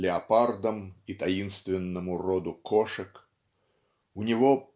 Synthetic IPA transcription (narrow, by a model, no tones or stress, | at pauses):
lʲɪɐpard̪əmit̪ɐinst̪vʲɪnːəmʊrod̪ʊkoʂɨk | ʊnʲɪvo